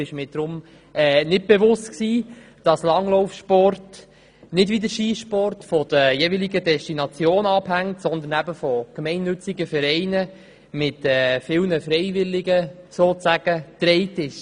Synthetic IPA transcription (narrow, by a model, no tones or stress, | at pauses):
ɪʃmɪːd̥̪ɾʊm | ɛːnɪd̚b̥ɛʋʊstksiː | d̥ɑslɑŋlɔʊfʃpɔrt | nɪdʋid̪əʃiːʃpɔrtfɔd̪̥əjeːvilɪɡədɛstinɑt͡sjoːnɑphæŋtsɔnd̪ənæbəfɔkmɛɪnːʉt͡sɪɡəfɛɾɛɪnə | mɪtɛːfɪlnəfɾɛɪvɪlɪɡəsoːt͡sæɡ̥ət̪ɾɛɪtɪʃ